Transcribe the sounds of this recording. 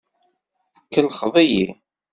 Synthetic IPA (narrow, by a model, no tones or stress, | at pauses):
θə̥kːəlχðˤijḭ